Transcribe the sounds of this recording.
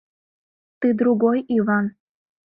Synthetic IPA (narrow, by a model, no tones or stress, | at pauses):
t̪ɨd̪ɾuɡojiβɑn